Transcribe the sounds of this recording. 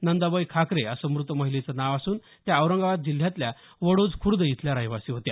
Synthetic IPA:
nənd̪abəjkʰakɾeəsəmɾut̪ʋəməɦilet͡sanaʋasuːn | t̪jaːwɾəŋɡaʋat̪̚d͡ʑil̤jãt̪lja | ʋəɽod͡zkʰuɾd̪əjit̪ʰljaɾəɦjʋasiːɦot̪ja

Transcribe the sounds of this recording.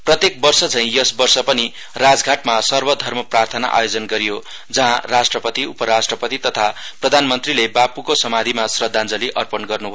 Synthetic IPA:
prʌt̪ek̚bʌrsʌt͡sʰʌ̃j̃jʌsbʌrsʌpʌni | rad͡zɡʱaʈmasʌrbʌd̪ʱʌrmʌprart̪ʰʌna̰ʔa̰jod͡zʌnɡʌɾijo | d͡zʌɦãrasʈrʌpʌt̪iupʌɾasʈrʌpʌt̪it̪ʌt̪ʰaprʌd̪ʱanmʌnt̪rilebapukosʌmad̪ʱimasrʌd̪ʱːand͡zʌliʔʌrpʌnɡʌrnubʱʌjo

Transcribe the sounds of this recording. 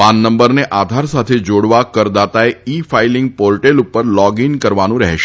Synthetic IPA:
panːəmbəɾneʔad̪ʱaɾsat̪ʰed͡ʒoɽʋakəɾd̪at̪aeifʰailɪŋɡ̚poɾʈelupəɾlɔɡinkəɾʋanũɾɛ̰ɦʃ

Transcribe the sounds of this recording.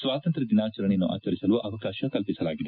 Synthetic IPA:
sʋaːt̪ɐnt̪ɾɐd̪inaːt͡ʃɐɾɐɳejɐnːuʔa̰ːt͡ʃɐɾisɐluʔɐʋɐkaːʃɐkɐlpisɐlaːɡid̪e

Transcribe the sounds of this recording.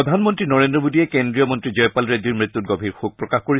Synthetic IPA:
ɔd̪ʱanmɔntɹinɔɹendɹɔmodijɛkendɹijɔmɔntɹid͡ʑɔjpalɹediɹmɹit̪ːut̚ɡɔbʱiɹxuk̚pɹɔkaxkoɹi

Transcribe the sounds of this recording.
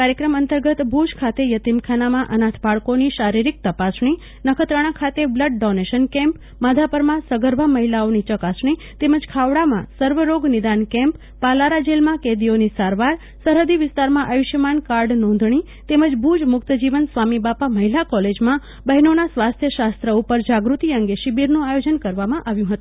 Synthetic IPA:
kaɾjəkɾəmənt̪əɾɡət̪bʱud͡ʒkʰat̪ejət̪imkʰanamãʔənãt̪ʰbʱaɭkoniʃaɾiɾik̚t̪əpasɳi | nəkʰət̪ɾəɽ̃ãkʰat̪ebləɖ̚ɖɔneʃənkɛ̃mp | mad̪ʱapəɾmãsəɡəɾbʱaməɦilaonit͡ʃəkasɳi | t̪eməd͡ʒkʰaʋɽamã̰səɾʋəɾoɡnid̪ankɛ̃mpːalaɾad͡ʒelmãked̪ionisaɾʋaɾ | səɾɦəd̪iʋɪst̪aɾmãʔajuʃjəmankaɾɖnɔ̃nd̪ʱɳi | t̪eməd͡ʒbʱud͡ʒmʊkt̪əd͡ʒiʋənsʋamibapaməɦilakɔled͡ʒmã | bəɦnonasʋast̪ʰjəʃast̪ɾəupəɾd͡ʒaɡɾut̪iəŋɡeʃibiɾnũajod͡ʒənkəɾʋamãʔaʋjũɦət̪ũ

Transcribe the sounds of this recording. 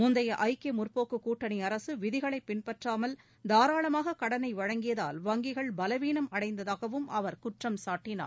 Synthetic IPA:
mʊnd̪ɐjɐʔɐɪkeːmʊrpoːkːɯkuːʈːɐniɐɾɐsɯʋɪðɪɣɐɭɐɪpːɪnpɐʈraːmɐl | d̪aːɾaːɭɐmaːɣɐkɐɽɐnɐɪʋɐɻɐŋɡɪjɐðaːlʋɐŋɡɪɣɐɭbɐlɐʋiːnɐmɐɽɐɪnd̪ɐðaːɣɐʋɯmɐʋɐɾkʊʈrɐmsaːʈːɪna̰ːɾ

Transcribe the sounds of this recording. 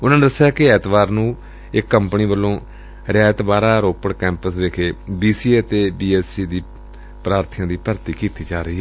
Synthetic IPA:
ʊnãːned̪əsːjaːkɪɛːt̪ʋaːɾnũː | ɪkːəmpniːbəlːõː | ɾɪaːət̪baːɾaːɾoːpəɽkɛ̃ːmpəsʋeːkʰeːbiːsiːeət̪eːbiːɛːsiːd̪iː | pɾaːɾt̪ʰjãːd̪iːpəɾt̪iːkiːt̪iːd͡ʒaːɾəiːɦɛː

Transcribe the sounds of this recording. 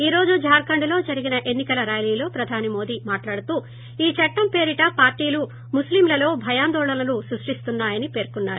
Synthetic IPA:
iːɾo̞ːd͡ʒud͡ʒaːɾkɐɳɖulo̞ːd͡ʒɐɾiɡinɐʔe̞nːikɐlɐɾaːjliːlo̞ːpɾɐd̪ʱaːnimo̞ːd̪iːmaːʈlaːɽut̪uː | iːt͡ʃɐʈːɐmpe̞ːɾiʈɐpaːɾʈiːlu | muslimlɐlo̞ːbʱɐjaːnd̪ɔːɭɐlɐlusɾuʂʈist̪unːaːjɐnipeːɾkunːaːɾu

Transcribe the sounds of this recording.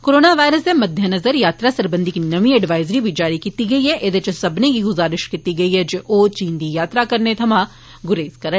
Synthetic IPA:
koːɾoːnaʋaːɪɾəsd̪emɐd̪ʱjənɐzəɾjaːt̪ɾasɐɾbə̃nd̪ɪknɐʋĩɛɖʋaːɪzɾibʱid͡ʒaːɾikiːt̪iɡɐiɦɛʔed̪et͡ʃsɐbneɡiɡʊzaːɾɪʃkiːt̪iɡɐiɦɛːd͡ʒoːʔoːt͡ʃiːnd̪ijaːt̪ɾakɐɾnet̪ʰɐmãː | ɡʊɾeːzkɐɾə

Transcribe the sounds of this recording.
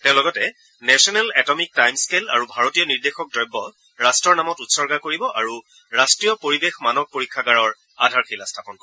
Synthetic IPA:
tɛ̃ʊ̃lɔɡɔtɛ | nɛsɔnɛlɛtɔmik̚tajmskela̰ɹubʱaɹotijɔniɹdexɔk̚dɔjbːɔ | ɹastɹɔɹnamɔtutsɔɹɡakoɹibɔʔaɹu | ɹastɹijɔpoɹibexmanɔk̚poɹikʰːaɡaɹɔɹ | adʱaɹkilastʰapɔnkɔ

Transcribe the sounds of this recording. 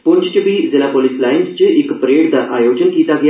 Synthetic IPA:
puɲt͡ɕt͡ɕəbiːd͡zilapolislajinst͡ɕeʔekpɾeɽd̪aʔajod͡ʑənkit̪aɡj

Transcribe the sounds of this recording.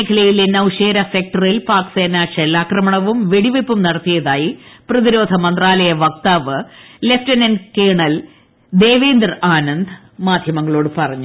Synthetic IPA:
kʰɐlɐjilenːɐʋuʂeːɾɐsek̚ʈɐrilpaːkseːnaʂelːaːkrɐmɐɳɐʋumʋeɽiʋepːumnɐɽɐt̪ːijɐðaːjiprɐðiɾo̞ːd̪ʱɐmɐnd̪raːlɐjɐʋɐk̚t̪aːʋɨle̞ftɐnenkeːɳɐl | d̪e̞ːʋeːnd̪raːnɐnd̪ʱ | maːd̪ʱjɐmɐŋːɐɭo̞ːɽɨpɐrɐɲːu

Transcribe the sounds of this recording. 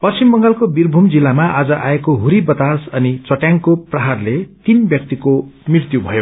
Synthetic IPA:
pʌt͡simbʌŋɡalkobirbʱumd͡zilːamaʔad͡zʌʔaekoɦuɾibʌt̪asʌnit͡sʌʈjaŋkoprʌɦarlet̪inbjʌk̚t̪ikomirt̪jubʱʌjo

